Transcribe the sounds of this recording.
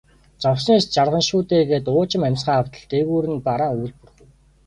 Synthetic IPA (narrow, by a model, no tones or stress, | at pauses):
t͡sɔwsneːst͡ɕarʁə̆nʃuːt̪eːɣeːt̪ʊːt͡ɕɪ̆mæmʲsχaːw̥t̪ə̆ɮt̪eɣuːɾɘ̆npaɾaːujɮpurɣŭw